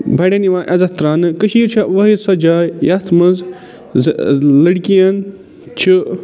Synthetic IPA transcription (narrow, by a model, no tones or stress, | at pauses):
bʱɐɽeniʋãːʔɐzɐt̪ɾaːnɨkəʃiːɾt͡ʃʰaʋɐɦisɐd͡ʒaːjjɐt̪ʰmɐz | lɐɽkijɐn | t͡ʃʰi